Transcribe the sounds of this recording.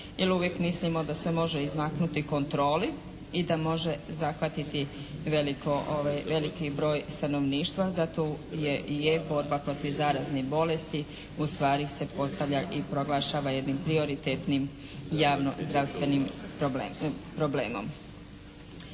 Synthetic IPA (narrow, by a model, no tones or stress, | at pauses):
jeluʋjekmislimo̞d̪asʋe̞mo̞ʒe̞izmaknut̪iko̞nt̪ɾo̞ːli | id̪amo̞ʒe̞zaxʋat̪it̪iʋe̞likoʔoʋajʋe̞likibɾo̞ːjst̪ano̞ʋniːʃt̪ʋazat̪ojejebo̞ɾbapɾo̞t̪iʋzaːɾaznebo̞lest̪i | ust̪ʋaːɾise̞po̞st̪aʋʎaʔipɾo̞ɡlˠaːʃaːʋaje̞d̪nimpɾio̞ɾit̪et̪nimjaːʋno̞̰zd̪ɾast̪ʋe̞nimɾobepɾo̞blḛːmo̰m